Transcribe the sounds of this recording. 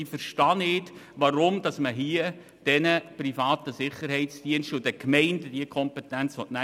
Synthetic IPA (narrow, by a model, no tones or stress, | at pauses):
ɪfəɾʃtɑːnɪtʋɑɾʊmd̥ɑsməɦiə | d̥ɛnəpɾifɑːt̪əsɪχːəɾɦɛɪtsd̥iənʃtʊdəkmɛɪndəd̥iəkʰɔmpɛtænt͡sʋɔtnæ